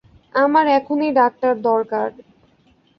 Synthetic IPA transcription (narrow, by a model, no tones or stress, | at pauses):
amaɾɛkʰoniɖak̚ʈaɾd̪ɔɾkaɾ